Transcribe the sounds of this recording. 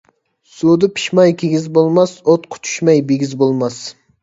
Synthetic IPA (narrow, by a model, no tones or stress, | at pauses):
sud̪ɨpʰi̥ʃmɑjkʲʰeɡʲizbolˠmɑsot̪qʰʊ̥t͡ʃ̪ʰy̥ʃmɑjbeɡʲizbolˠmɑs